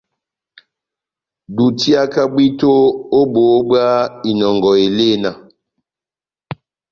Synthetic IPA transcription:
du˨ti˦a˦ka˦bwi˦to˦o˦bo˨˦ba˦i˨nɔ˨ŋɡɔ˨e˨le˦˨na˨

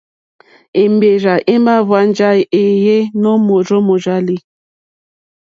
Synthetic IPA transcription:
e˨mbe˨ɾa˨ʔe˦m˦a˦vwa˦n˦d͡ʒa˦˨e˨je˦nɔ˦mo˨ɾɔ˦mo˨ɾa˦li˦

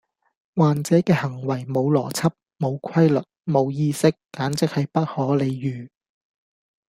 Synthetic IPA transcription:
waː˨nt͡sɛː˨˥kɛː˧hɐ˨˩ŋwɐ˨˩jmo˨˧wlɔː˨˩t͡sʰɐ˥p̚mo˨˧wkʰɐ˥jlɵ˨t̚mo˨˧wjiː˧sɪ˥kːaː˨˥nt͡sɪ˥k̚hɐ˨jpɐ˥t̚hɔː˨˥le˨˧jjyː˨˩

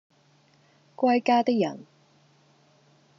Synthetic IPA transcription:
kʷwɐ˥jkaː˥t̪ɪ˥k̚jɐ̰˨˩n

